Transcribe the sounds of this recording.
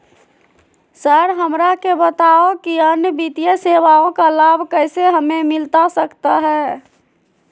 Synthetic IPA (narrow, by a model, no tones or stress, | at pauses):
səɾɦəmɾakebət̪aokiənjəbit̪ijəseʋaõkalabʱkəɪseɦəmemɪlt̪asəkt̪aɦɛː